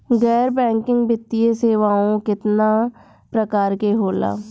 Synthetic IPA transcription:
ɡɛːɾbɛ̃ːŋkɪ̃ŋɡbɪt̪ːijeːseːʋaːõːkɪt̪naː | pɾəkaːɾkeːɦoːla̰ː

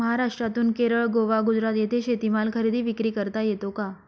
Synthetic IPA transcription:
əɦaɾaʂʈɾat̪uːnkeɾəɭɡoʋaɡud͡zɾat̪jet̪ʰeɕet̪imalkʰəɾid̪iːʋikɾiːkəɾt̪ajet̪oka

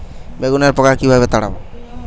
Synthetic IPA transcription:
beɡunaɾpɔkakibʱabet̪aɽa̰bɔ

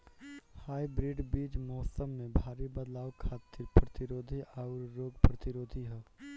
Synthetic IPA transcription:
haːibɾɪɖbiːd͡ʒmɔːsəmːẽbʱaːɾibɐd̪laːʋkʰaːt̪ːɪɾpɾɐt̪ɪɾoːd̪ʱiaːʊɾːoːɡpɾɐt̪ɪɾoːd̪ʱiɦɛː

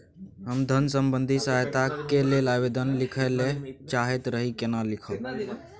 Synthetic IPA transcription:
ɦəmd̪ʱənsəmbənd̪ʱisaɦt̪akelelabed̪ənlɪkʰəlet͡ʃaɦet̪ɾəɦikenalɪkʰəl

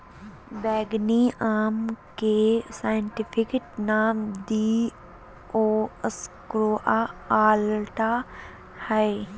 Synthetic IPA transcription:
bɛːɡniʔaːmkesaːjəɳʈɪpʰɪkeʈnaːmd̪i | oːəskɾoːʔaaːlʈa | hɛe

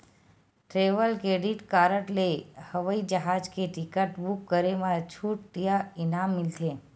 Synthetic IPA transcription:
ʈɾeʋəlkeɖiʈkaɾəʈlejhəʋəid͡ʒəɦad͡ʒkeʈikəʈbukːəɾemãt͡ʃʰuʈ̚ʈijainamːilt̪ʰe

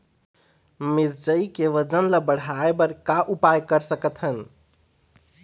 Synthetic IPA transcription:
miɾd͡ʒəikeʋəd͡ʒənləbəɽ̤aebəɾkaʔupajkəɾsəkət̪ʰɦən

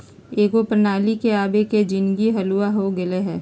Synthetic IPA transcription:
eːɡopɾənaːlikeaːbeked͡ʒɪnɡiɦɐluaɦoɡɐleɦɛː

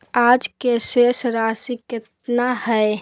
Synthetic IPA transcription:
aːd͡ʒkeʃesɾaːsikɪt̪nahɛe

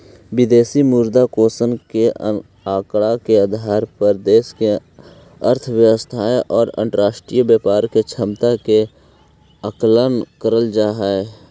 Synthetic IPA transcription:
ʋɪd̪eːsimuːɾd̪akoːsənke | aːkɽakeəd̪ʱaːɾpəɾd̪eːske | əɾt̪ʰʋjəwəst̪ʰaːʔɔːɾə̰̃ɳʈəɾaːʃʈɾiːjbjəːpaːɾket͡ʃʰəmt̪ake | əklənkəɾəld͡ʒaːɦɛɛ

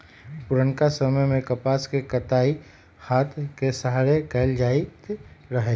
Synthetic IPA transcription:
pʊɾəɳkasəməjmẽkɐpaːskekət̪aːi | haːt̪ʰkesaɦaɾekɛɪld͡ʒaːit̪ɾəɦe

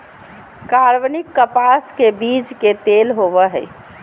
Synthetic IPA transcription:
kaɾʋnikːəpaskebid͡ʒket̪elɦoʋəɦɛ̰

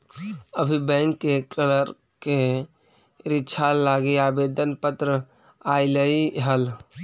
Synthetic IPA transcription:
əbʱibə̃ɪŋkːekələɾ | ke | ɾɪtːt͡ʃʰalːaɡeabed̪ənpət̪ɾə | ailəiɦəl

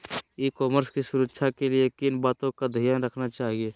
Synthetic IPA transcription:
ikɔːməɾskisʊɾəkːʃʰakeliekinbaːt̪õkad̪ʱijaːnɾəkʰnat͡ʃaːɦieː

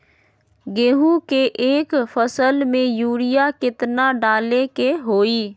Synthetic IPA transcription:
ɡeːɦũkeʔeːkfʰəsəlmẽjuːɾɪjakɪt̪naɖaːlekeɦoːiː

